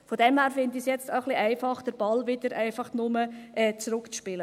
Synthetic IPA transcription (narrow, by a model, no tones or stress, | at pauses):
fodɛmhæːɾfɪndisjɛt͡staχliʔæɪfɑχd̥əɾb̥ɑlʋɪd̥əɾʔæɪfɑχnʊməʔɛːt͡sɾʊkt͡sʃpɪlə